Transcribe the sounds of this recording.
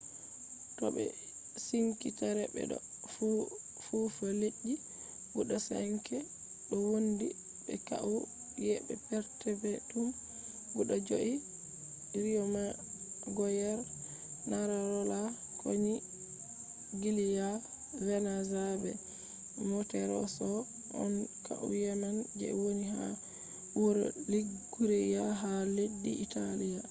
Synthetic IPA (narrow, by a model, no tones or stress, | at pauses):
tɔ̰ɓɛ̰ | siŋkitaɾɛbɛ̰ɗɔ̰ | fu | fufɔleʔːi | buɗɔsa̰ŋkɛ | ɗɔwondi | ɓɛ̰ka̰ʔu | jɛɓɛ̰pɛɾtɛbɛtum | buɗɔd͡ʒoʔi | ɾijɔma | ɡɔjɛɾ | naɾaɾɔla | kʰoɲi | ɡilija | vɛnazabɛ̰ | mɔtɛɾɔ̰sɔ | ɔ̰nka̰ʔṵjanand͡ʒɛ̰woniɦa | uɾliɡ | uɾɛjaɦaleɗːiʔitalija